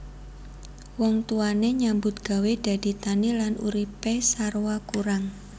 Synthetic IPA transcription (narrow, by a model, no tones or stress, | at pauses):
wɔŋt̪uaneɲambʊt̪̚ɡ̥a̤wed̥a̤d̥i̤t̪anilanṵɾipesarwakuɾaŋ